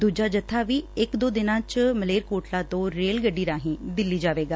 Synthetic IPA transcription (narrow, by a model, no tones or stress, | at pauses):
d̪uːd͡ʒaːd͡ʒət̪ʰːaːʋiːɪkd̪oːd̪ɪnãːt͡ʃməleːɾkoːʈlãːt̪õːɾeːlɡəɖːiːɾaːɦĩːd̪ɪlːiːd͡ʒaːʋeːɡaː